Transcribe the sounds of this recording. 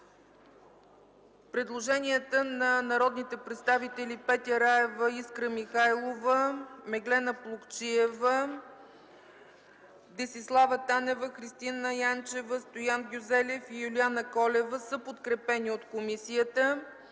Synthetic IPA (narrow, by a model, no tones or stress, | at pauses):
pɾɛd̪lˠoʒɛniət̪ənɐnɐɾɔd̪nit̪ɛpɾɛt̪st̪avit̪ɛlipɛt̪ʲɛɾaɛvəiskɾəmixajlˠovəmɛɡlɛnəplˠukt͡ʃiɛvə | d̪ɛsislˠavət̪anɛvəxɾist̪inəjant͡ʃɛvəst̪ojanɡʲuzɛlɛfijulianəkɔlɛvəsɤpot̪kɾɛpɛniot̪komisijət̪ə